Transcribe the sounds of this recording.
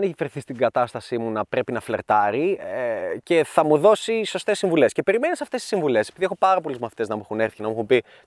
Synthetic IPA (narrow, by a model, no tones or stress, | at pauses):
neçifeɾθist̪iɡɐt̪ɐst̪ɐsimunɐpɾe̞pinɐfle̞̰ɾt̪ɐɾiece̞θɐmuðo̞siso̞st̪e̞sːiɱvule̞scepe̞ɾime̞nisɐft̪eisiɱvule̞sepiðiexopɐɾɐpo̞lizmɐθi̥t̪e̞znɐmuxune̞ɾθinɐmuxumbi